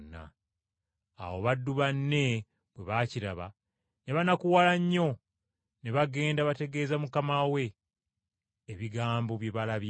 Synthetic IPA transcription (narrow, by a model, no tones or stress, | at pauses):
nːa̰ | woβadːuβanːe̞ | βwe̞βaciɾa̰βa | ne̞βanakuwalaɲːo̞ | ne̞βaɡe̞ːndaβate̞ɡe̞ːzamukamawe̞ | βiɡaːmbo̞βje̞βalaβ